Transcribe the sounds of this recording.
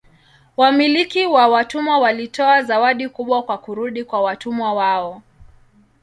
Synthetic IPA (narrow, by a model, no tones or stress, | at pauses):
wamilikiwawatumwawalitɔazawaɗikuɓwakwakuɾuɗikwawatumwawaɔ